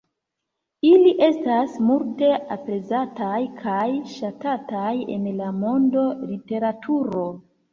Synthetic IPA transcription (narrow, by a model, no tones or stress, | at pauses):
iliʔe̞stasmulte̞apɾe̞zatajkʰajʃatataje̞̰nlamo̞ndo̞lite̞ɾatʰuɾo̞